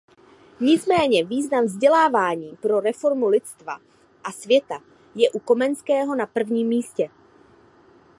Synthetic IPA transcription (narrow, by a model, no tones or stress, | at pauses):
ɲɪt͡smɛːɲɛviːznaɱvzɟɛlaːvaːɲiːpɾo̞ɾɛfo̞ɾmulɪt͡st̪va̰ | ʔasvjɛt̪a | jɛʔuko̞mɛnskɛːɦo̞napr̩vɲiːmːiːscɛ